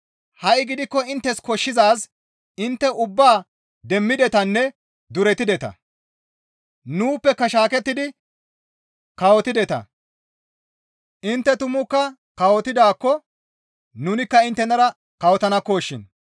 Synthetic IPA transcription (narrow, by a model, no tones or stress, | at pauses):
hɐʔɡɪd̪ɪkːɔɪnt̪ːɛskɔʃːɪzaːs | ɪnt̪ːɛʊbːaː | d̪ɛmːɪd̪ɛt̪ɐnːɛ | d̪ʊɾɛt̪ːɪd̪ɛt̪ɐ̰ | nuːpːɛkːɐʃaːkɛt̪ːɪd̪ɪ | kɐwɔt̪ɪd̪ɛt̪ɐ̰ | ʔɪnt̪ːɛt̪ʊmʊkːɐ | kɐwɔt̪ɪd̪aːkːɔ | nunɪkːɐɪnt̪ːɛnɐɾɐ | kɐwɔt̪ɐnɐkːoːʃːɪn